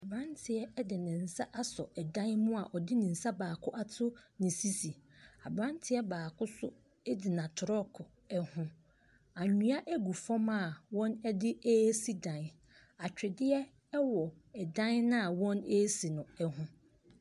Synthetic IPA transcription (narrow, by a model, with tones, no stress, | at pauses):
a˨bɾã˦ntʰɪ˨ɛ˦ɛ˦dɪ˨nɪ̃˨n̩˨sa˦ʔa˦sɔ˨ɛ˨dã˦nmũ˦a˨ʔɔ˨dɪ˦nɪ̃˨n̩˨sa˦baː˨kʰʊ˦ʔa˦tʰʊ˦nɪ̃˨si˦si˨a˨bɾã˦ntʰɪ˦ɛ˦baː˨kʊ˦sʊ˦ | ɛ˦dɪ˨nã˨tʰʊ˨ɾɔ˦kʰʊ˨ | ɛ˨hʊ̃˦ | a˨ɲũ˨˦a˦ʔæ˦ɡu˨fɔ̃˦mã˦˨wɔ̃˦nɛ˦dɪ˦e˦si˦dã˨n | a˨t͡ɕᶣɪ˨dɪ˦ɛ˦ | wɔ˨ | ɛ˨dã˦nnã˦a˨wɔ̃˦ne˦si˨nʊ̃˨ɛ˨ɦʊ̃˦